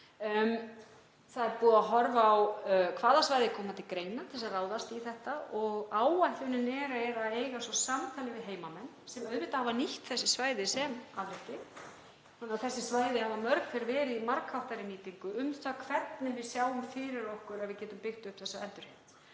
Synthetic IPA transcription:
m | θaðɛɾpuːðaɦɔɾvawkʰvaːðasvaːjðɪkʰɔːmat̪ʰɪlkɾeːjnat̪ʰɪlsaraːwðast̪iθɛht̪aɔɣaːwajht̪ʏnɪnɛɾaɛɾaðejɣasɔsamt̪ʰaːlɪvɪðɦeːjmamɛnːsɛmœðvɪt̪ahavaniht̪θɛsːɪsvaːjðɪsɛmaðɾɛhcɪ | θanaθɛsːɪsvaːjðɪhavamœɾkfɪɾvɛːɾɪðimaɾkʰawht̪aɾɪmiːt̪iŋkʏʏmt̪akʰv̥ɛt̪nɪvɪðsjaːwʏmfɪɾɪɾɔhkʏɾaðvɪðcɛːt̪ʏmpɪxt̪ʏhpθɛsːaɛlt̪ʏɾ̥ɪ

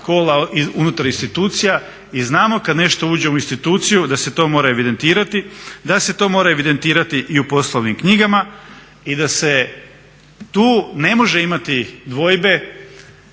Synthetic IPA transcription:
ko̞ːlaiunut̪aɾinst̪it̪uːt̪sija | iznaːmo̞kad̪ne̞ʃt̪o̞uːd͡ʑe̞uinst̪it̪uːt̪sijud̪ase̞t̪o̞moːɾaeʋid̪e̞nt̪iːɾat̪id̪ase̞t̪o̞ːmo̞ːɾaeʋid̪e̞nt̪iːɾat̪iʔiupo̞slˠoʋnimkɲiɡama | id̪ase̞ | t̪uːne̞mo̞ʒe̞imat̪id̪ʋo̞jbe̞

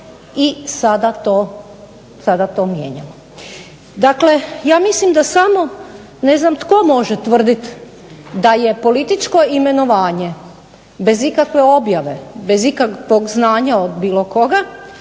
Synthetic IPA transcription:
isad̪at̪o | sad̪at̪oːmjḛɲamo | d̪akle̞jaːmislimd̪asamo̞ | ne̞znamt̪ko̞mo̞ʒet̪ʋr̩d̪it̪ | d̪aje̞po̞lit̪it͡ʃko̞ime̞noʋaːɲe̞ | be̞zikakʋeo̞bjaʋe̞be̞zikakʋoɡznaːɲaod̪biːlo̞ko̞ɡa

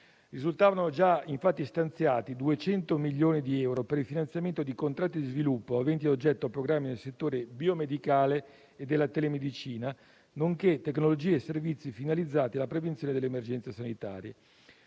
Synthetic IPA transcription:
rizult̪aːvanod͡ʒaiɱfat̪ːist̪ant̪sjaːt̪id̪uet͡ʃɛnt̪omiʎːjoːnid̪iɛwɾopeɾilfinant̪sjament̪od̪ikont̪ɾat̪ːid̪izvilupːoavɛnt̪̬iod͡ʒɛt̪ːoapːɾoɡɾamːinelset̪ːoːɾebiomed̪ikaːle | ed̪ːelːat̪elemed̪it͡ʃiːna | noŋket̪ːeknolod͡ʒiːeːsːervit̪sːifinalid̪zːaːt̪ialːapɾevent̪sjoːned̪elemerd͡ʒɛnt̪sesanit̪a̰ːɾje

